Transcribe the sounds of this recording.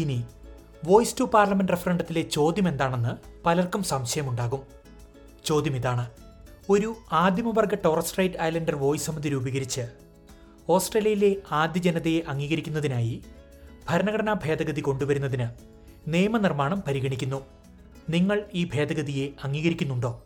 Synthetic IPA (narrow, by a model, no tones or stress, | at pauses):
ini | ʋo̞ːjstupaːrlɐmenɖrefɐrɐɳɖɐt̪ːile̞t͡ɕo̞ːd̪jɐme̞nd̪aːɳe̞nːɨpɐlɐrkumsɐmɕɐjɐmuɳɖaːɣum | t͡ɕo̞ːd̪jɐmiðaːɳɨ | o̞ɾuaːd̪ʱjɐmɐʋɐrɡɐʈo̞ːrɐsʈrɐjtɐjlɐndɐrʋo̞ːjsɐmɐðiɾubɐɣɐɾit͡ɕːɨ | o̞ːsʈreːljɐjile̞aːd̪jɐd͡ʑenɐðɐjeʔɐŋːiːɣɐɾikʲːunːɐðinaːji | b̥ʱɐɾɐnɐɣɐɽɐnabʱe̞ːd̪ɐɣɐðiko̞ɳɖuʋɐɾunːɐðinɨ | neːjɐmɐnirmaːɳɐmpɐɾiɣɐɳikʲːunːu | niŋːɐɭiːbʱe̞ːd̪ɐɣɐðije̞ɐŋːiːɣɐɾikʲːunːuɳɖo̞ː